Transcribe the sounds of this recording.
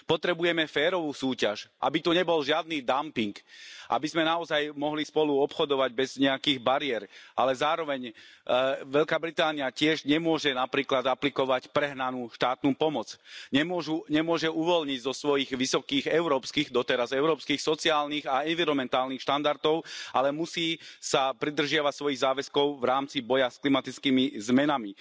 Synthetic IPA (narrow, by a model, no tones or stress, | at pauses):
pɔt̪ɾɛbujɛmɛfɛːɾɔʋuːsuːcaʃʔa̰bit̪uɲɛbɔlʒɪad̪̚niːd̪ampiŋkʔa̰bizmɛnaɔzajmɔɦlispɔluɔpxɔd̪ɔʋaɟ̚bɛzɲɛakiːɣbaɾɪɛɾʔa̰lɛzaːɾɔʋɛɲ | ʋɛʎkaːbɾit̪aːniacɪɛʒɲɛmʊɔʒɛnapɾiːklad̪aplikɔʋacpɾɛɦnanuːʃt̪aːt̪nuːpɔmɔt͡sɲɛmɔʒuɲɛmʊɔʒɛuʋɔlɲiɟzɔsʋɔjiɣʋisɔkiːɣɛʊɾɔːpskiːɣd̪ɔt̪ɛɾazɛʊɾɔːpskiːxsɔt͡siaːlniːɣaɛnʋiɾɔmɛnt̪aːlnixʃt̪and̪aɾt̪ɔʊʔalɛmusiːsapɾid̪r̩ʒɪaʋacsʋɔjiɣzaːʋɛskɔʊvɾaːmt͡sibɔjasklimat̪it͡skiːmizmɛnami